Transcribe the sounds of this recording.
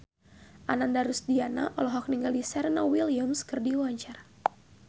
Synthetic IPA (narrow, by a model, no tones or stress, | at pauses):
ʔanandaɾusdiana̰ʔɔ̰lɔɦɔk̚niŋɡaldisɛɾnawiliamskɨrdiwaɲt͡ʃar